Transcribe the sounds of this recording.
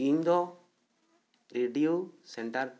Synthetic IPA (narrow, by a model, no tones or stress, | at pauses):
iɲd̪ɔ | ɾeɖijusɛɳʈaɾ